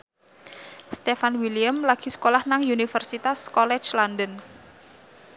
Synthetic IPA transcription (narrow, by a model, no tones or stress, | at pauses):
st̪efanwiliəmlaɡ̥i̤sə̥kolahnaŋunifərsit̪askɔlɛ̥t͡ʃlandən